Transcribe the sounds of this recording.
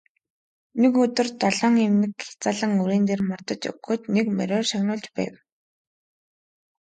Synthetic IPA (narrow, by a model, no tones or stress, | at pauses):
nekɵt̪ɵ̆rt̪ɔɮɔːŋemnɘ̆kxe̥t͡saːɮə̆ŋuɾeːnt̪eːrmɔrt̪ɞ̆t͡ɕɵ̰ɡɡɵ̆t̪nekmæ̰ɾʲʊːrʃaxnʊːɮt͡ɕpæ̰ːw